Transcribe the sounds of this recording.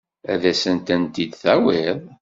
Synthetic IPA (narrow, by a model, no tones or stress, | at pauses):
æðæsənt̪ænt̪id̪θæwɪðˤ